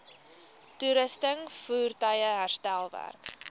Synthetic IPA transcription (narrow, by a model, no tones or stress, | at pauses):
tuɾəstəŋfuːrtəjəɦærstælˠvæ̰rk